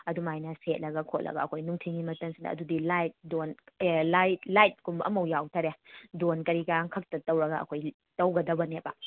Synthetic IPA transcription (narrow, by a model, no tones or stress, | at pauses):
ɐdumajnɐset̚lɐɡɐkʰot̚lɐ̰ɡɐ̰ɐkʰojnuŋtʰiŋimɐtɐŋsindɐ̰ːɐ̰dudilajt̚donlajtlajt̚kumbʔɐ̰mɐwjawtʰaɾedonkɐɾikaŋkʰɐk̚tɐtɐwɾɐɡɐɐ̰kʰoj | tɐwɡɐdɐbɐnepɐ